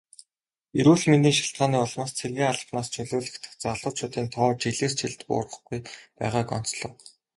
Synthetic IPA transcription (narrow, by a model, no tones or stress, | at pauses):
eɾuːɮment̪̬iːŋʃḁɬt̪̚ɢaːniːɔɮmaːst͡sʰerɣʲeːŋaɮə̥̆pnaːst͡ɕʰɵɮʊːɮɘ̆xt̪ɘ̥̆xt͡saɮʊːt͡ɕʰʊːt̪iːnt̪ʰɔːt͡ɕiɮeːst͡ɕʰiɮt̪pʊ̰ːrə̆χɡujpæ̰ːʁaːkɔ̰n̥t͡sɮɞ̆w